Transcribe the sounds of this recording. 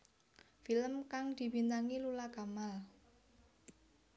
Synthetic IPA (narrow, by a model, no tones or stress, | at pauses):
filəmkaŋd̪̥i̤bint̪aŋilulaɡ̥amal